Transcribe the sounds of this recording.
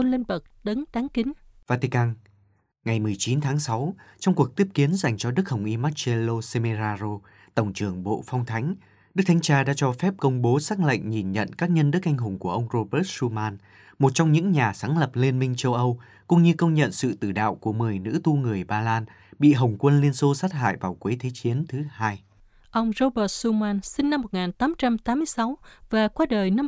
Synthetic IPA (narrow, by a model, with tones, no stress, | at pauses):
o˧nle˧nbə˨˩k̚ɗə˨˦nt̪aː˨˦ŋkï˨˦ŋ̟vaː˧t̪i˧kaː˧n | ŋa˨˩jmɨ˨˩əjt͡ɕi˨˦nt̪ʰaː˨˦ŋsa˨˦wt͡ɕɔ˧wŋ͡mku˨˩ək̚t̪i˦˥əp̚ki˨˦ənza˨˩jŋ̟t͡ɕɔ˧ɗɨ˦˥k̚hə˨˩wŋ͡mʔi˧maː˦˥t̚t͡ɕe˧lo˧se˧me˧zaː˧zo˧ | t̪ə˧˩wŋ͡mt͡ɕɨ˨˩əŋɓo̰˧˨fɔ˧wŋ͡mt̪ʰa˨˦jŋ̟ | ɗɨ˦˥k̚t̪ʰa˨˦ŋt͡ɕaː˧ɗa̰ː˧˥t͡ɕɔ˧fɛ˦˥p̚kə˧wŋ͡mɓo˨˦saː˦˥k̚lə̰˧˨jŋ̟ɲi˨˩nɲə̰˧˨nkaː˦˥k̚ɲə˧nɗɨ˦˥ək̚ʔa˧jŋ̟ɦʊ˨˩ŋ͡mku˧˩əʔə˧wŋ͡mzo˧ɓə˦˥t̚su˧maː˧n | mo˨˩t̚t͡ɕɔ˧wŋ͡mɲɨ̰˧˥ŋɲaː˨˩saː˨˦ŋlə˨˩p̚le˧nmï˧ŋ̟t͡ɕə˧wʔə˧w | kʊ̰˧˥ŋ͡mɲɨ˧kə˧wŋ͡mɲə̰˧˨nsɨ̰˧˨t̪ɨ˧˩ɗa̰ː˧˨wku˧˩əmɨ˨˩əjnɨ̰˧˥t̪u˧ŋɨ˨˩əjɓaː˧laː˧n | ɓḭ˧˨ɦə˨˩wŋ͡mkwə˧nli˧ənso˧saː˦˥t̚ɦa̰ː˧˨jvaː˨˩wkwe˨˦jt̪ʰe˨˦t͡ɕi˨˦ənt̪ʰɨ˨˦haː˧j | ʔə˧wŋ͡mzo˧ɓəː˨˥t̚su˧maː˧nsï˧ŋ̟na˧mːo˨˩t̚ŋaː˨˩nt̪aː˨˦mt͡ɕa˧mt̪aː˨˦mːɨ˧əjsa˨˦wvaː˨˩kwaː˧ɗəː˨˩jna˧